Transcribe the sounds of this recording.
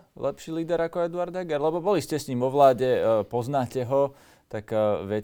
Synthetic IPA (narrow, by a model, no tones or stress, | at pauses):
lɛpʃiːliːd̪ɛɾakɔɛd̪uaɾd̪ɛɡɛɾlɛbɔbɔliscɛsɲiːmɔʋlaːɟɛpɔznaːcɛɦɔ | t̪akʋɛ